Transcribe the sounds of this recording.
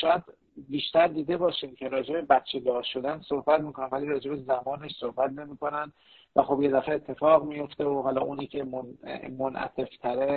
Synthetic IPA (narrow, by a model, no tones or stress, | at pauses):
ʃɒːjæd̪ | biːʃt̪æɾd̪iːd̪e̞bɒːʃiːmcʰe̞ɾɒːd͡ʒe̞be̞bæt̪t͡ʃʰe̞lɒːʃo̞d̪ænso̞hbæt̪miːkʰo̞næmvæliːɾɒːd͡ʒe̞be̞zæmɒːneʃso̞hbæt̪ne̞miːko̞nænd̪ | væxo̞bje̞d̪æfeeːt̪ʰːe̞fɒːɣmijo̞ft̪eoɦɒːlɒːʔuːniːcʰe̞momonʔæ̰t̪ʰe̞ft̪ʰæɾe̞